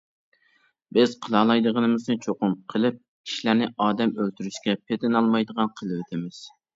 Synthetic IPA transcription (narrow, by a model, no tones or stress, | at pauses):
bɪz̥qʰəlˠɑlˠɑjd̪əʁənɨmɨznɨt͡ʃʰoqʊmqʰəlˠɨp̚ | kʲʰi̥ʃilæɾnɪʔɑːd̪ɛmølt̪yɾyʃkʲɛpʰet̪ɪnɑlˠmɑjd̪əʁɑnqʰəlˠɨwet̪ʰɪmɪz̥